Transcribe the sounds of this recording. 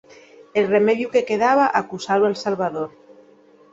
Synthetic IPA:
elremeðjukekeð̞aβ̞aʔakusalwalsalβaðoɾ

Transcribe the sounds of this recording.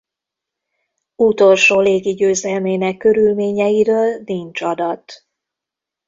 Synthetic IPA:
ut̪o̞lʃoːleːɡiɟøːzɛlmeːnɛkːø̞ɾylmeːɲɛjiɾøːlniɲt͡ʃɒd̪ɒt̪

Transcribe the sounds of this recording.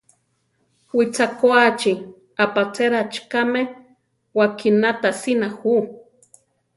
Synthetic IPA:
wit͡sakoat͡ʃi | apat͡seɾat͡ʃkame | wakʰinat̪asinahu

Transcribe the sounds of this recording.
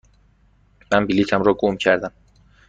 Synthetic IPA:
mæmbiliːt̪ʰæmɾɒːɡomcʰæɾd̪æm

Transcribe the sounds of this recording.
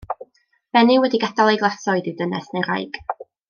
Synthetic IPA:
v̥ɛnɪwɛdiɡadalˠejɡlˠasɔɨdidənɛsnejɾa̰jɡ̥

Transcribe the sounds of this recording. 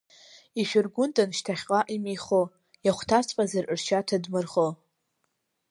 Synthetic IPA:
iʃᶣɪrɡʷʊntʼanʃtʰaχʲqʼaʔimiχo | jaχʷtʰat͡sʰʼpʼazarɨrʃatʰadmɨrχo

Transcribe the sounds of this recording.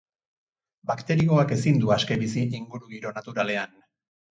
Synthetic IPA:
bakt̪e̞ɾio̞ake̞sind̪uaske̞βisiiŋɡuɾuɣiɾo̞nat̪uɾale̞an

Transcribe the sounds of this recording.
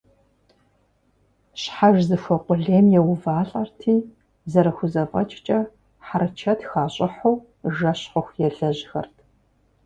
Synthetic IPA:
ɕħaʒzɨxʷɔqʷʼʊɮeːmjɛwʊvaːɬʼɐrtʰiː | zɐɾɐxʷʊzɐfʼɐ̰t͡ʃʼt͡ʃʼɐ | ħaɾɐt͡ʃʰɐtʰxaːɕʼɪħow | ʒɐɕχʊxʷjɛɮɐʑxɐrtʰ

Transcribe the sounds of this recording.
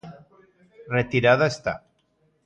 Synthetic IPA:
ret̪iɾaðaest̪a̰

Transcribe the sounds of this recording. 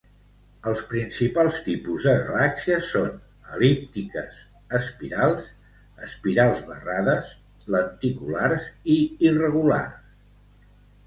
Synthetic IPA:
əlˠspɾinsipalˠst̪ipuzðəɣə̰laksiəson | əlip̚t̪ikəs | əspiɾalˠz | əspiɾalˠzβəraðəs | lənt̪ikulaɾziːrəɣula̰rs

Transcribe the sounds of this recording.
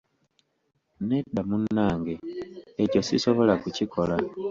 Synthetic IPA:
nedamunːaːŋɡeeco̞siso̞βo̞lakucikʰo̞la

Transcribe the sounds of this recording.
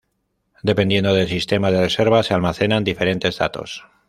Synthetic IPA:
d̪e̞pend̪je̞nd̪o̞ðelsist̪e̞mað̞e̞re̞se̞ɾβasealmaθe̞nand̪ife̞ɾe̞nt̪e̞zða̰t̪o̞̰s

